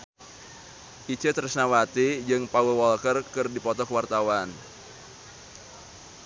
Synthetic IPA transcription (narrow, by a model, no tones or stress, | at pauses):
ʔit͡ʃət̪əɾəsnawat̪id͡ʒɨŋpawəwɔlkərkɨrdipɔt̪ɔkəwart̪awan